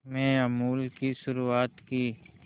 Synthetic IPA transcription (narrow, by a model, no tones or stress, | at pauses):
mẽəmuːlkiʃʊɾuːaːt̪kiː